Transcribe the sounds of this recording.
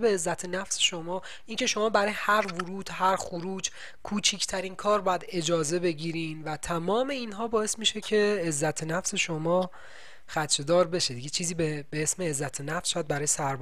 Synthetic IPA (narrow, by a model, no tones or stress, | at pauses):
beːzːæt̪ʰenæfseʃo̞mɒː | iːncʰe̞ʃo̞mɒːbæɾɒːjehæɾvuɾuːd̪̥hæɾxuɾuːd͡ʒ | kʰuːt͡ʃʰiːcʰt̪ʰæɾiːnkʰɒːɾbɒːjæd̪e̞d͡ʒɒːze̞be̞ɟiːɾiːnvæt̪ʰæmɒːme̞iːnɦɒːbɒːesmiʃe̞cʰe̞ːzːæt̪ʰenæfse̞ʃomɒː | xæt̪t͡ʃʰed̪ɒːɾbe̞ʃed̪iɟet͡ʃʰiːziːbebeesmeːzːæt̪ʰenæfsʃæjæd̪̚bæɾɒːjsæɾb